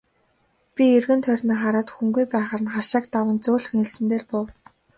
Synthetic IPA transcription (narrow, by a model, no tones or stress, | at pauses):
pʲierɣɘ̆nt̪ʰœrʲniːχaɾaːt̪xuŋɡujpæːχăːrə̆nχaʃaːkt̪awə̆nt͡sʊːɮ̆xŋiɮsɘ̆nt̪eːrpʊw